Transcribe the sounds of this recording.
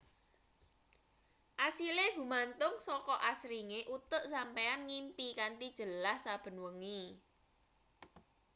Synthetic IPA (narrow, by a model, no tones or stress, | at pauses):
ʔasileɦṳmant̪ʊŋsɔkɔʔasɾiŋeʔut̪ʊʔsampeanŋimpikaɳʈid̥ʒ̥ə̤lahsab̥ə̤nwəŋi